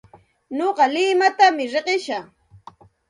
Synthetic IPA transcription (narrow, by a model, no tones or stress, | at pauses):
noɢɑlɪmat̪amɪɾeɢɪʃɑ